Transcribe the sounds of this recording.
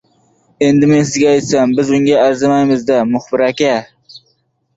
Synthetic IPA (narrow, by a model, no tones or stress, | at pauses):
e̞nd̪ɪmensɪzɡʲaɑjt̪sambɪzʊŋɡʲaːɾzɪmajmɪzd̪amʊχbɪɾækʲa